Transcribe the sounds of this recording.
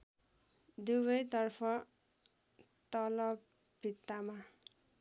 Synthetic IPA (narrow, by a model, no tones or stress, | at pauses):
d̪uwʌjt̪ʌrpʰʌ | t̪ʌlʌbʱ | it̪ːama